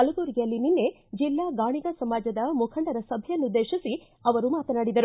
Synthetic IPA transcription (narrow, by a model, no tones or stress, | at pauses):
ɐluɡoːɾiɡijɐlːininːe̞ | d͡ʒilːaːɡaːɳiɡɐsɐmaːd͡ʒɐd̪ɐmukʰɐɳɖɐɾɐsɐbʱejɐnːud̪eːʃisi | ɐʋɐɾumaːt̪ɐnaːɽid̪ɐɾu